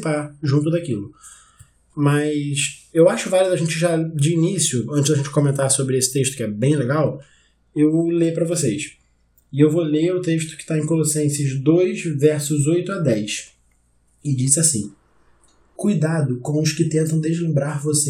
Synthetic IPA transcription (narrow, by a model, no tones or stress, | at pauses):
paʒũnt̪̬ʊd̪akilʊ | mɐsewaʃʊvaliʊd̪ɐʒẽnt͡ʃɪʒad͡ʒɪːnisjʊɐ̃ntt͡ʃɪʒd̪ɐʒẽt͡ʃɪ̥kõmẽnt̪asobɾɪesɪ̥t̪eʃt̪ʊkɪɛbẽj̃leɡaw | ewlepɾɐvosejs | ɪewvoleʊt̪eʃt̪ʊ̥kɪ̥t̪aẽj̃kolosẽsɐzd̪ojʃvɛɾsʊzojt̪ʊad̪ɛjs | ɪd͡ʒisɪasḭ̃ | kujd̪ad̪ʊkõw̃ʊʃkɪt̪ẽnt̪ɐ̃w̃d̪eʒlẽmbɾaɾvose